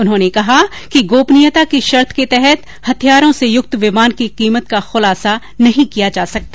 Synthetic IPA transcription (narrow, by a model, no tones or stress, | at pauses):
ʊnɦõːnekɐɦa | kiɡoːpnijət̪akiʃɐɾt̪ʰket̪ɛɦɛt̪ | hɐt̪ʰijaːɾõsejʊk̚t̪ʋɪmaːnkiqiːmət̪̚kaxʊlaːsa | nɐɦĩkijad͡ʒaːsɐk̚t̪aː